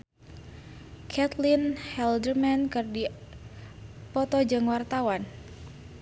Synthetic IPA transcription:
kʰɛt̪linhɛldərmankɨrdi | pɔt̪ɔd͡ʒɨŋwart̪awan

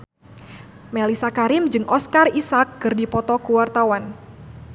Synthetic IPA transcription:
melisakaɾɪmd͡ʒɨŋʔɔskarisak̚ːɨrdipɔt̪ɔkuwart̪awan

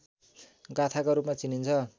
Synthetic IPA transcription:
ɡat̪ʰakoɾupmat͡sinint͡sʰʌ

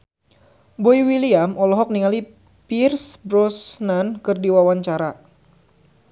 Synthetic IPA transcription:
bɔiwiliamɔlɔɦɔk̚niŋali | pirsbɾɔsnankɨrdiwawaɲt͡ʃaɾa

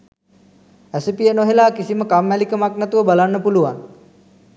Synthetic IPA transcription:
æsepijənoɦelaːkisiməkamːælikəmaknæt̪uʋəbalanːəpuluʋa̰ŋ

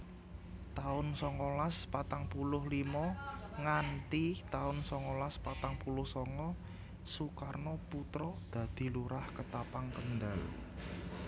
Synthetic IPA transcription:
t̪aʊnsɔŋɔlaspat̪aŋpulʊhlimɔŋant̪it̪aʊnsɔŋɔlaspat̪aŋpulʊhsɔŋɔ | sukarnɔput̪ɾɔd̪̥ä̤d̪̥i̤luɾahkət̪apaŋkənd̪al

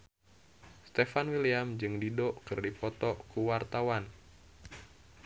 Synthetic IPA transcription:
st̪efanwiliamd͡ʒɨŋdidoʔkɨrdipɔt̪ɔkuwart̪awan

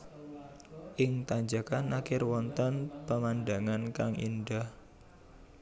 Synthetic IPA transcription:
ʔɪŋt̪aɲd͡ʒakanakɪrwɔnt̪ənpəmandaŋankaŋḭnɖah

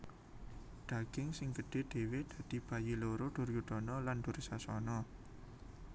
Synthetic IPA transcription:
dɖ̪̥a̤ɡ̥ɪŋsɪŋɡəɖ̥e̤d̪̥e̤wed̪̥ä̤d̪̥i̤b̥a̤jiloɾoɖ̪̥ʊ̤rjuɖ̪̥ɔ̤nɔland̥̪o̤rsasɔnɔ

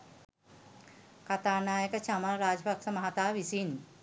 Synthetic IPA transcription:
kɐt̪aːnaːjəkɐt͡ʃamaɾaːd͡ʒbʱɐkʂɐmɐɦat̪aːʋisin

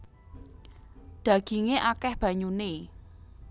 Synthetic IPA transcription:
d̪̥a̤ɡ̥iŋeʔakɛhb̥ä̤ɲune

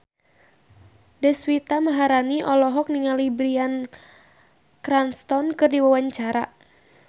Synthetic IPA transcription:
dɛswit̪amaɦaɾaniʔɔlɔɦɔk̚niŋalibɾian | kɾanst̪ɔnkɨrdiwawaɲt͡ʃaɾa

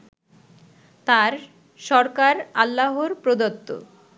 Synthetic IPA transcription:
t̪aɾ | ʃɔɾkaɾalːaɦoɾpɾod̪ot̪ːo̰

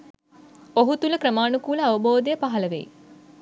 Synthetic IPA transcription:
oɦut̪uləkɾəmaːnukuːləaʋɐboːd̪ejəpaɦɐləʋḛj

